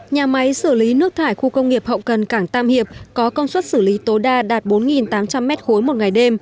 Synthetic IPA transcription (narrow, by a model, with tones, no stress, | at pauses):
ɲaː˨˩ma˨˦jsɨ˧˩li˨˦nɨ˦˥ək̚t̪ʰaː˧˩jxu˧kə˧wŋ͡mŋi˨˩əp̚hə̰˧˨wkə˨˩nkaː˧˩ŋt̪aː˧mhi˨˩əp̚kɔ˨˦kə˧wnswə˦˥t̚sɨ˧˩li˨˦t̪o˨˦jɗaː˧ɗaː˨˩t̚ɓo˨˦nŋi˨˩nt̪aː˨˦mt͡ɕa˧mːɛ˦˥t̚xo˨˦jmo˨˩t̚ŋa˨˩jɗe˧m